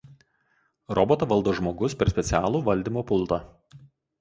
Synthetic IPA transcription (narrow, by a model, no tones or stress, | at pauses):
ɾɔbɔt̪oːʋɐlˠd̪oːʒmoːɡʊspʲɛɾsʲpʲɛt̪sʲɪæːlˠuːʋɐlʲd̪ʲiːˑmoːpʊlˠˑt̪ɑː